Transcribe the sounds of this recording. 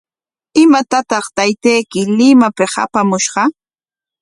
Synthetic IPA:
ɪmat̪at̪ɑχt̪ajt̪ejkɪlɪmapɪha̰pamʊʃɢɑ

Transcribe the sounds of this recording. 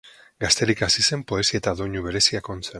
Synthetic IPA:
ɡast̪e̞ɾikasise̞mpo̞e̞siet̪aðo̞ɲuβe̞ɾe̞siako̞nt͡sen

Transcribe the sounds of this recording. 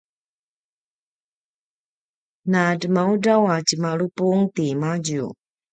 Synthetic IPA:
nadəmaudawat͡ɕəmaɭupuŋtimaɟṵ

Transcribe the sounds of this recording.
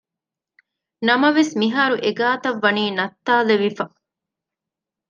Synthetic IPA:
nɐmɐʋesmiɦaːɾuʔeɡaːt̪ɐʋːɐniːnɐt̪ːaːleʋifɐ

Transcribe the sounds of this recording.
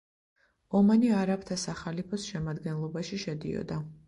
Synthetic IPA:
ɔmaniaɾapt̪ʰasaχalipʰɔsʃɛmad̪ɡɛnlˠɔbaʃiʃɛd̪ḭɔ̰d̪a

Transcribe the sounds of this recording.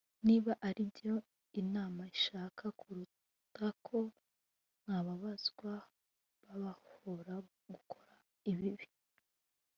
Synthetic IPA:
niβaʔaɾijo̞ | inaːmaiʃaːkʰakʰuɾu | takʰo̞ | n̥haβaβaz̥ɡwa | βaβahoɾa | ɡukʰo̥ɾa | iβiβi

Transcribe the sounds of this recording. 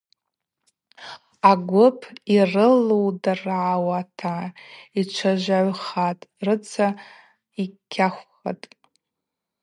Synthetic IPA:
aɡʷʊpʰirɨlowdarʕawatʰait͡ʃʷʰaʒʷaʕʷχatʼrɨt͡sʰa | ikʲʰːaχʷ | a̰tʼ

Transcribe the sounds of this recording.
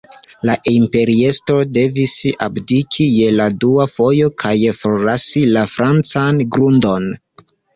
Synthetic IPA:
laʔimpe̞ɾie̞sto̞de̞visa̰bdikʰije̞laduafo̞jo̞kʰajfoɾlasilafɾʔant͡sanɡɾundo̞n

